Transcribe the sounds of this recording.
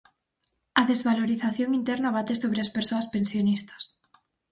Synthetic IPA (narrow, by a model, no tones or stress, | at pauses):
ɐðezβaloɾiθaθjoŋint̪ɛɾnɐβat̪esoβɾeaspeɾsoɐspensjonist̪ɐ̥s